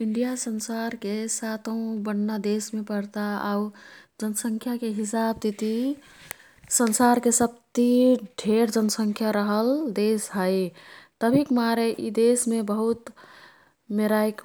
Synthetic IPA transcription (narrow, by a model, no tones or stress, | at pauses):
iɳɖijasənsaɾkesat̪ə̃ũbənːad̪esmepəɽt̪aau | d͡ʒənəsə̃ŋkʰjakeɦisab̚t̪it̪i | sənsaɾkesəb̚t̪iɖʱeɾd͡ʒənsəŋkʰjaɾəɦəld̪esɦəjt̪əbʱikmaɾeʔid̪esmebəɦut̪ | meɾajk